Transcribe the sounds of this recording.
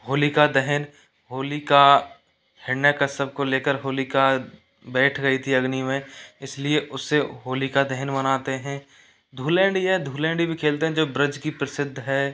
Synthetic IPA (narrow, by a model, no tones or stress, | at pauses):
hoːlikad̪ɛɦən | ɦoːlika | hɪnːəkəsəb̚koleːkəɾɦoːlika | bɛːʈʰɡɐit̪ʰiɐɡnimẽɪslieʔʊsːeɦoːlikad̪ɛɦənmɐnaːt̪eɦɛ̃ː | d̪ʱuːlɛ̃ːɳɖjeɦɛd̪ʱuːlɛ̃ːɳɖibʱikʰeːlt̪eɦɛ̃d͡ʒoːbɾɪd͡ʒkipɾəsɪd̪ʱːɦɛː